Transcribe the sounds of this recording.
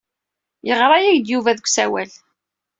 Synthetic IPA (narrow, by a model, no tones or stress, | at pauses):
jəʁɾˤɑjæʝd̪juvæðəkʷːsæwæl